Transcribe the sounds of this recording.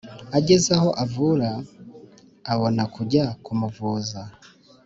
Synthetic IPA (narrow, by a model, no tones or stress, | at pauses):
aɟe̞zaho̞ʔavuːɾa | βo̞nakuɟakumuvuːza